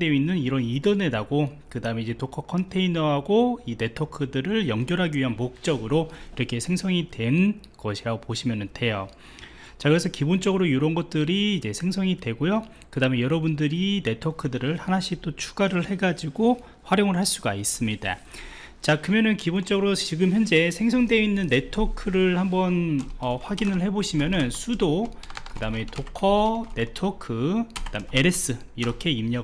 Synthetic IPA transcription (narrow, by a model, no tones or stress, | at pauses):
deinːɯniɾʌnidʌne̞daɡokɯdaɯme̞id͡ʑe̞tokʰʌkʰʌntʰe̞inʌɦaɡoine̞tʰokʰɯdɯɾɯɭjʌŋɡjʌɾɦaɡiɥiɦanmok̚t͡ɕ͈ʌɡɯɾoiɾʌkʰe̞sʰe̞ŋsʰʌŋidwe̞n | ɡʌɕʰiɾaɡopoɕʰimjʌnɯnte̞jo | t͡ɕakɯɾesʰʌkibont͡ɕ͈ʌɡɯɾojoɾʌnɡʌt̚t͈ɯɾiːd͡ʑe̞sʰe̞ŋsʰʌŋidwe̞ɡojo | kɯdamejʌɾʌbundɯɾine̞tʰokʰɯdɯɾɯɭhanaɕʰit͈ot͡ɕʰu̥ɡaɾɯɭhe̞ɡad͡ʑiɡo | ɸwaɾjoŋɯɭɦhaɭs͈uɡais͈ɯmɲida̰ | t͡ɕakɯmjʌnɯnkibont͡ɕ͈ʌɡɯɾot͡ɕiɡɯmçjʌnd͡ʑe̞sʰe̞ŋsʰʌŋdwe̞inːɯnːe̞tʰokʰɯɾɯɭhambʌnʌɸwaɡinɯɭhe̞boɕʰimjʌnɯnsʰudo | kɯdame̞tʰokʰʌne̞tʰokʰɯkɯd̥amee̞ɾe̞s͈ɯ | iɾʌkʰe̞imɲʌ